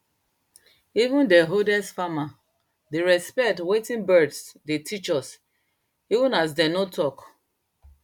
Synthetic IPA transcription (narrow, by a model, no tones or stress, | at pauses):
ivũndɛɦodɛsfama | deɹɛspɛtwetĩnbɜdsdetʰit͡ʃɔs | ivũnas̬dɛnotʰɔk